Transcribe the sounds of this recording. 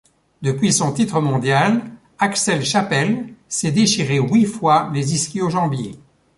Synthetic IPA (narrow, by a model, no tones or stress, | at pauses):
d̪əpɥisɔ̃t̪it̪χəmɔ̃d̪jal | aksɛlʃapɛlsɛd̪eʃiʁewifwaleziskʲioʒɑ̃bjḛ